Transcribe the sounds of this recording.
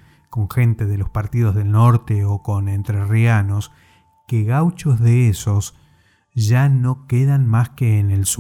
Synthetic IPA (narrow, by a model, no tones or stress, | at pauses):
ko̞ŋxe̞nt̪e̞ðelo̞spaɾt̪iðo̞zðe̞lno̞ɾt̪eoko̞nent̪ɾeriano̞s | keɣawt͡ʃozðeeso̞s | ʒanokeðanmaskeːnels